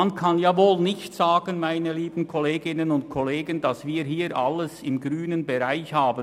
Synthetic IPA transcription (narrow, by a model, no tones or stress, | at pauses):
ankʰɑnjaːvoːlnɪçtsaːɡənmaɪnəliːbn̩kʰɔleːɡɪnənʊnt̚kʰɔleːɡəndɑsviːɦiːɾʔa̰ləsɪmɡʁyːnənbɛʁaɪçhaːbə